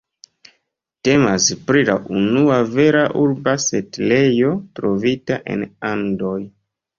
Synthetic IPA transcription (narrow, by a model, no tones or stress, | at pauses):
te̞maspɾila̰ʔunuave̞ɾaʔuɾbase̞tle̞jo̞tɾo̞vitaʔe̞̰nando̞j